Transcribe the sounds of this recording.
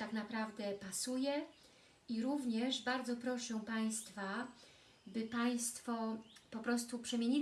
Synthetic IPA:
t̪aknapɾavd̪ɛpasujɛ | iɾuvɲɛʐbaɾd̪zɔpɾɔʂɛ̃paj̃st̪fa | bɘpaj̃st̪fɔpɔpɾɔst̪upʂɛmʲjeɲi

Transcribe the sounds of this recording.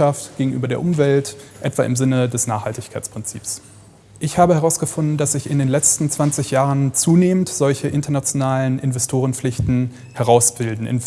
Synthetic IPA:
aftɡ̥eːɡŋ̩ʔyːbɐdeːɐʔʊmvɛltʔɛtv̥a̰ːʔɪmzɪnədɛsnaːχhaltɪçkʰaɪt͡spʁ̥ɪnt͡sḭːps | ʔɪçhaːbəhɛʁaʊsɡ̥əfʊndn̩dasz̥ɪçɪ̰ndeːnlɛt͡stn̩t͡sv̥ant͡sɪçjaːʁənt͡suːneːməntz̥ɔlçəʔɪntɐnat͡sjonaːlənʔɪnvɛstʰoːʁ̞ənflɪçtn̩ | hɛʁaʊsb̥ɪldn̩ʔɪ̰n

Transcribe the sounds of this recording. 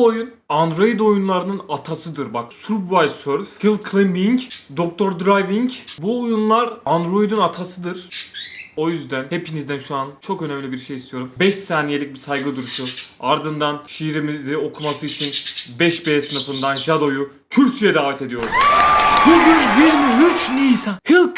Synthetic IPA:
ojun | and̪ɾojid̪o̞junlˠaɾɯnɯnat̪ʰasɯd̪ɯɾbaksuɾbvajsøɾfɡʰilʲˠkʰlʲˠimbiŋcd̪o̞k̚t̪ʰoɾd̪ɾajviɲcbuojunlˠaɾand̪ɾo̞jid̪ɯnat̪ʰasɯd̪ɯɾ̥ | o̞jyzd̪ænhe̞pʰinizd̪ænʃuant͡ʃʰo̞kø̞nɛmlʲibiɾʃejist̪ʰijo̞ɾumbɛʃsaːnije̞lʲic̚bisajɡɯd̪uɾuʃuaɾd̪ɯnd̪anʃijiɾimizio̞kʰumasɯit͡ʃʰinbɛʃbesɯnɯfɯnd̪anʒad̪o̞ju | t̪ʰyɾcijɛd̪aːvɛt̪e̞d̪ijoɾubuɡynjiɾmiyt͡ʃlʲiːsahilˠk

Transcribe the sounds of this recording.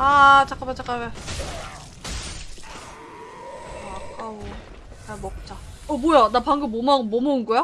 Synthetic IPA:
at͡ɕak͈abet͡ɕak͈abe | akao | amʌk̚t͡ɕ͈a | ʌbojanapaŋɡɯmːomaːomounɡʌjo

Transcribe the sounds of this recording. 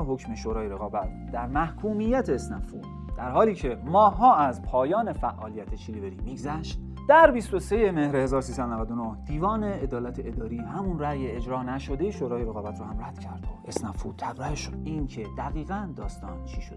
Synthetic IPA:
ɦo̞cʰmeʃoːɾɒːjeɾe̞ɣɒːbæt̪ | d̪æɾmæhkʰuːmijæt̪ʰeːsnæfu | d̪̥æɾhɒːliːcʰe̞mɒːhːɒːæzpʰɒːjɒːne̞fæʔːɒːlijæt̪ʰet͡ʃʰiliveɾiːmiːɡzæʃt̪ | d̪̥æɾbist̪o̞se̞jeme̞hɾehe̞zɒːɾosiːsæd̪onævæd̪onohd̪̥iːvɒːne̞ed̪ɒːlæt̪ʰeed̪ɒːɾiːhæmunræːjeed͡ʒɾɒːnæʃo̞d̪ejeʃoɾɒːjeɾeɣɒːbæt̪ɾoːhæmræd̪̥cʰæɾd̪̚bʔesnæfṵt̪ʰæbɾæheʃo̥iːncʰed̪æɣiːɣænd̪ɒːst̪ɒːnt͡ʃʰiʃod̪

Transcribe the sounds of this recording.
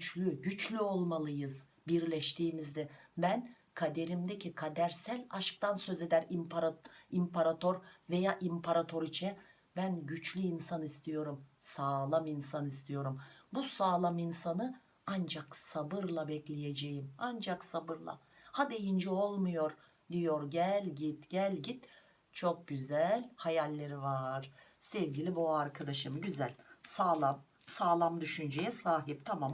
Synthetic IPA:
t͡ʃlʲyɟyt͡ʃlʲyo̞lˠmalˠɯjɯz | biɾlʲɛʃt̪ʰiːmizd̪ɛbæn | kʰad̪e̞ɾimd̪ecʰikʰad̪æɾsælʲaʃk̚t̪ʰansø̞ze̞d̪æɾimpaɾimpʰaɾat̪ʰo̞ɾve̞jaːʔimpʰaɾat̪ʰo̞ɾit͡ʃʰɛ | bænɟyt͡ʃlʲyinsanist̪ʰijo̞ɾumsaːlˠaminsanist̪ʰijo̞ɾumbusaːlˠaminsanɯ | and͡ʒaksabɯɾlˠabɛclʲeje̞d͡ʒejimand͡ʒaksabɯɾlˠa̰ | had̪e̞jind͡ʒio̞lˠmujo̞ɾ | d̪ijo̞ɾɟælʲɟit̪ɟ̥ælʲɟit̪ | t͡ʃʰo̞k̚ɟyzælʲhajalʲːeɾivaɾ̥sɛvɟilʲibuaɾkʰad̪aʃɯmɟyzælʲsaːlˠam | saːlˠamd̪yʃynd͡ʒejɛsaːɦip̚t̪ʰamam

